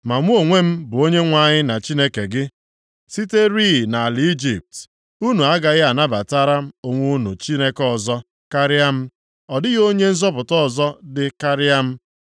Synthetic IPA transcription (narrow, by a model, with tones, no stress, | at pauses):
ma˨ŋʷu˦o˨ŋʷe˦m̩˦bʊ˨o˦ɲe˦ŋʷa˨ɲɪ˦na˨t͡ʃi˦ne˦ke˨ɡɪ˦ | si˦te˦ɾi˦˨na˨lɪ˨˦i˦d͡ʒi˨p̚t | u˦nu˨a˦ɡa˨ɣɪ˦a˨na˦ba˨ta˦ɾa˦m̩˦o˨ŋʷu˦nṵ˨t͡ʃi˦ne˦kɔ˦˨zɔ˦ | ka˦ɾɪ˦a˦m̩˦ | ɔ˨dɪ˦ɣo˦ɲe˦n̩˦zɔ˦pʊ˨tɔ˦ɔ˨zɔ˦dɪ˦ka˦ɾɪ˦a˦m̩˦